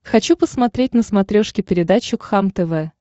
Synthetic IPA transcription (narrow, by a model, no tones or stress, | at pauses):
xɐt͡ɕupəsmɐt̪ɾʲetʲnəsmɐt̪ɾʲoʂkʲɪpʲɪɾʲɪd̪at͡ɕːʊkxamt̪ɛvɛ